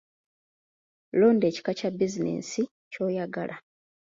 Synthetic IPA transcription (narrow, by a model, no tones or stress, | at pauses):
lo̞ːnde̞ːci̥kacabizinḛːsi | co̞ːjaɡa̰lʔa